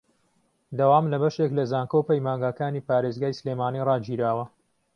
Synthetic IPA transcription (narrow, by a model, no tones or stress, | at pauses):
d̪awaːmlɐbɐʃeklɐzaːŋkowpɐjmaːŋɡaːkaːniːpaːɾezɡaːjsleːmaːniːrɑːd͡ʒiːɾaːwɐ